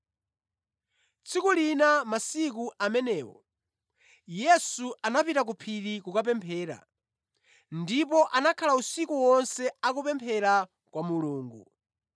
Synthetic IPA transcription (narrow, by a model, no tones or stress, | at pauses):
t͡sʰikulinamasikuʔamɛnɛːwɔ̰ | jɛsuʔanapitak̬upʰiɾikukapɛmpʰɛːɾa̰ | ndipɔʔanakʰalausikuwɔnsɛakupɛmpʰɛɾa | kwamuluːŋɡu